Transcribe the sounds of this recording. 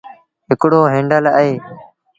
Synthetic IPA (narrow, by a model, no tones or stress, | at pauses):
ɦɪkɽoːɦẽːɳɖələɦeː